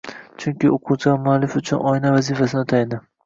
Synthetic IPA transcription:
t͡ʃʰʊŋkʲɪʔoqʰut͡ʃʰɪɡʲamʊalːɪfʊt͡ʃʰʊnɒɪnavazifasɪnɪt̪ʰajnd̪ɪ

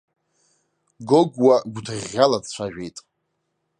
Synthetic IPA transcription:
ɡoɡwaɡʷtʰɨrʲːalad͡zt͡ɕʷʰaʒᶣejtʼ

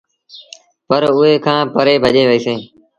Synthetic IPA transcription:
pəɾʊɦeːkʰãːpəɾeːbʱəʄeːʋəiːseː

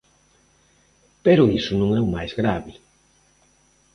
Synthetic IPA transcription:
peɾʊisʊnũŋɛwmajzɣɾaβɪ

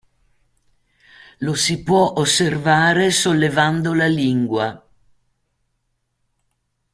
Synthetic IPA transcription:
losipwɔʔosːervaːɾesolːevand̪olaliŋɡwa

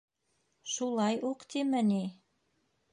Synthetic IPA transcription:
ʃulˠɑjuqt̪imɘ̆ni

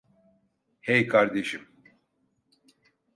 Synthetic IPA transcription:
hejkʰaɾd̪eʃim

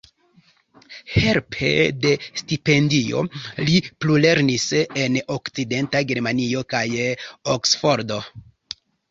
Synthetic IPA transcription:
he̞ɾpʰḛde̞stipe̞ndio̞̰liplule̞ɾnise̞no̞kt͡side̞ntaɡe̞ɾmanio̞kajoksfo̞ɾdo̞

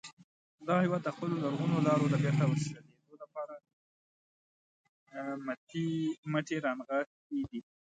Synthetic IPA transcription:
d̪ɑhɪwɑd̪̚ːəxpəlolaɾɣunolɑɾod̪əbjeɾt̪awəɾʃaled̪olapɑɾa | mat̪iməʈeɾɑnɣa | ed̪i

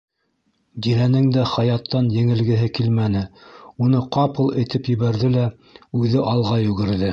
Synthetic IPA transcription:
d̪ilænɘŋd̪æχɑjɑt̪ːɑnjɘ̆ŋɘ̆lɡɘ̆ɦɘkilmænɘunɤqɑpɤ̆lˠɘ̆jt̪ɘpjɘ̆βæɾðɘlæ | ʉðɘʔɑlˠʁɑjʉ̆ɡɘ̆ɾðɘ

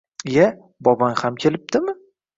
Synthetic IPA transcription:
ja | bɒbanhamkʲʰe̞lɪp̚d̪̥ɪmɪ

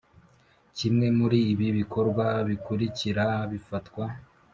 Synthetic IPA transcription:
cimŋe̞muɾiβiβikʰo̞ɾɡwaβikuɾiciɾaβifatwa

